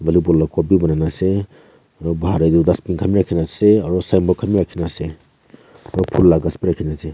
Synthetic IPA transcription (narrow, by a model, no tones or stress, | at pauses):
balibɔlːɔkɔbibananase | aɾɔbaɦaɾajdudaspinkʰamiɾakʰinaseaɾɔsajmbɔkʰamiɾakʰinase | aɾɔpʰulːaɡasbiɾakʰinase